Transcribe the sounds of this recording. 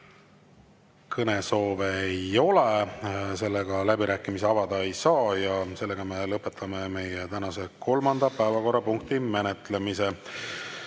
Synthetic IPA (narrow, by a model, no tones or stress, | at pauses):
kʰɤne̞so̞ːveejo̞le̞se̞lːeɡ̥ɑlæbiɾæːkːˑimis̬eɑvɑd̪̥ɑe̞jsɑːjɑse̞lːe̞ɡ̥ɑme̞lɤpːˑe̞t̪ʰːˑɑme̞me̞jet̪ænɑse̞kʰo̞lmɑnd̪̥ɑpæevɑko̞rːɑpuŋkt̪ime̞net̪ˑle̞mise̞